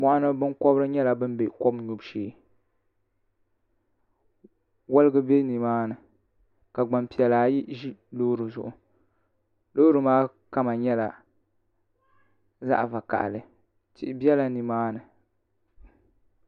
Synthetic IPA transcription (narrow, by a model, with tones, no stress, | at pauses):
mɔ˦ʔa˦nɨ˦bɨ˦nkɔ˦bɾɨ˦ɲɛ˦la˨bɨ˦m˦be˨kɔ˦bɲu˨bʃeː˨˦ | wa˦lɨ˦ɡɨ˦be˦ni˨maː˦nɨ˨ | ka˨ɡ͡ba˨mpi˨ɛ˨laː˨ji˦ʒi˦lo˦ɾɨ˨zʊ˨ʔʊ˨ | lo˦ɾɨ˨maː˦ | ka˦ma˨ɲɛ˦la˨ | za̰˦ʔva˨ka̰˨ʔlɨ˨ | tɪ˦ʔɪ˦bi˦ɛ˦la˨ni˨maː˦nɨ˨